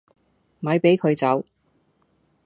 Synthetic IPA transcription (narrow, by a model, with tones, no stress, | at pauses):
m̩˨ɐ˨˧jpe˨˥jkʰɵ˨˧ɥt͡sɐ˨˥w